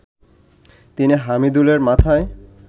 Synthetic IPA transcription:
t̪iniɦamid̪uleɾmat̪ʰae

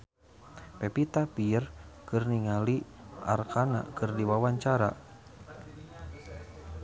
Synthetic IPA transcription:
pɛpit̪apiərkɨrniŋaliʔa̰rkana̰kɨrdiwawaɲt͡ʃaɾa̰

